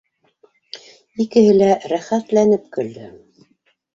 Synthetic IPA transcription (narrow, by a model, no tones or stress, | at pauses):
ikɘ̆ɦɘlæɾæχæt̪lænɘp̚kɵ̆ld̪ɘ